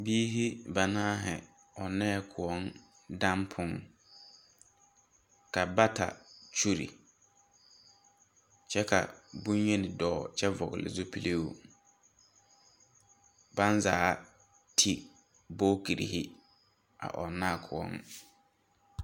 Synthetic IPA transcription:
biː˦ɦi˦ba˨nãː˦ɦɛ˨ | ɔ˨nɛ˦kʰʊ˨ɔ˦n | dã˦mpʰʊ̃˦ŋ | ka˨ba˦tʰa̰˨t͡ʃu˦ɾḭ˨ | t͡ʃʰɛ˦kʰa̰˨bũ˦n˦ɲɛ˦nɪ̃˨dɔː˨t͡ʃʰɛ˦vɔ˨ɣɪ˨lɪ̰˨zʊ˦pʰi˦lʔe˦u˦ | bã˦nzaː˦ | tʰi˦ | bo˦ki˨ɾḭ˨hi˦ | a̰˨ʔɔ˨nã˦˨kʰʊ˨ɔ̰˦n

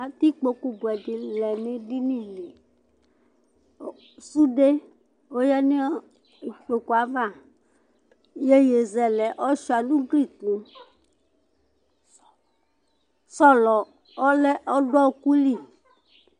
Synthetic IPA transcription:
a˨t̪i˦k͡po˨ku˨bu˨ɛ˨di˨lɛ˨ne˦di˦nĩ˦˨li˨ | su˦ɖe˦ | o˦jɛ˦ne˦ | i˨k͡po˨ku˨a˨va˦˨ | je˦je˨zɛ˨lɛ˨ʔɔ˦ʃu˦a˨nũ˦ɡɾi˦˨tũ˨ | sɔ˦lɔ˨ | ɔ˦lɛ˦ʔɔ˦ɖɔ˦o˦ku˦li˦˨

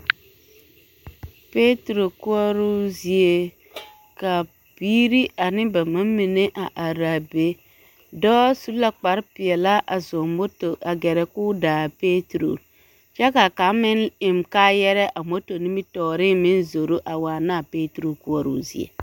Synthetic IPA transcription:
pe˦tɾo˨ku˦ɔ˦ɾu˦zi˦e˦ | ka˨ | b̥iː˦ɾi˦ʔa˨nɪ˦ba˨ma˦mi˨ne˦ʔa˨ʔa˨ɾa˨be˨˦ | dɔː˦su˦la˦k͡pa˨˦ɾpi˨ɛ˨la˦ʔa˨zo˨mo˦to˨ʔa˨ɡɛ˨ɾɛ˨kuː˦daː˨pe˦tɾo̰˨ | t͡ʃa˦ka˨ka˨˦mɪ˦nɪ˨mkaː˦jɛ˦ɾɛ˦ʔa˨mo˦to˨ni˦mi˦tɔː˨ɾi˦mɪ̃˦nzo˨ɾu˦ʔa˨wa˨naː˦˨pe˦tɾo˨ku˦ɔ˦ɾṵ˦zḭ˦ḛ˨

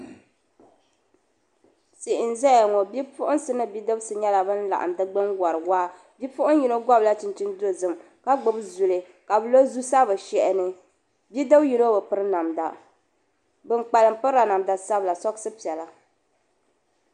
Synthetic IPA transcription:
si˨ʔɪ˨n˨zɛ˦ja˨ŋɔ˨bi˦pʊ˦ʔʊ˦n˦sɨ˦nɨ˦bi˦dɨ˦bsɨ˨ɲɛ˦la˨bɨ˦n̩˦la̰˨ʔa̰˨m˨dɨ˦ɡ͡bɨ˦ŋɡa˨ɾɨ˨waː˦ | bi˦pʊ˦ʔʊ˦n˦ji˨no˦ɡɔ˦bla˦t͡ʃɪ˨n˨t͡ʃi˦ndo˦˨zɨ˨m | ka˦ɡ͡bɨ˨bzu˨lɨ˨ | ka˨bɨ˨lo˦zu˦sa˦bɨ˨ʃɛ˨ʔɛ˨nɨ˦ | bi˦dɨ˦bji˨˦no˦bɨ˨pɨ˦ɾɨ˦na˨mda̰˨ | bɨ˦ŋk͡pa˨lɨ˨m˦pɨ˦ɾa˨na˨mda˨sa˦bla˨sɔ˦ksɨ˦pi˨ɛ˨la˨

